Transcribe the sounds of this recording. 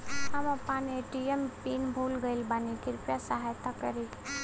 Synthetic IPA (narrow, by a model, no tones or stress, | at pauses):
ɦɐmɐpaːneʈiempiːnbʱuːlɡəilbaːnikɪɾʊpjasaɦaːjt̪akɐɾi